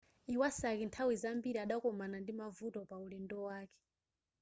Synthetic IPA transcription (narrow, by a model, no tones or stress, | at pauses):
iwasakintʰawizambiɾiaɗakɔmanandimavutɔpaulɛndɔwaːkɛ̥